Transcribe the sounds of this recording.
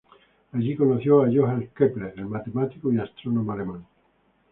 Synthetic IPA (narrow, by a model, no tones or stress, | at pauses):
aʒikonoθjoajoɦalkepleɾelmat̪emat̪ikoiast̪ɾonomaleman